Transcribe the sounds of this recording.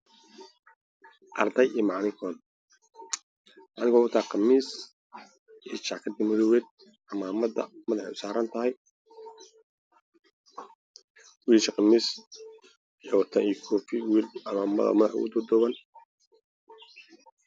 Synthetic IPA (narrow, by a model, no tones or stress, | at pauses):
ʔɐrd̪ɐjʔiːmɑʕnɪŋkʰɔːn | mɑʕnɪŋkʰɔʊt̪ʰaːqɑmiːs | ʔiːt͡ʃɑʕkʰɐd̪ɐmʊðɔwɛːd̪̚ | ʔɐmaːmɐðɐ̰mɐðɐħɛ̰ʊsaːɾɐnt̪ʰɐɦɛj | wiːlʃɐqɑmiːs | jɔwt̪ʰɐniːkʰɔfiwiːlʔɐmaːmɐ̰ðɐ̰mɐðɐħʊ̰ʊ̰d̪ɔd̪ɔβɐn